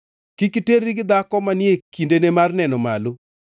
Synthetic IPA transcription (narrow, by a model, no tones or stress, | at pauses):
kikiteriɡɪd̪akɔmanɪekindenemarnɛnɔma̰lo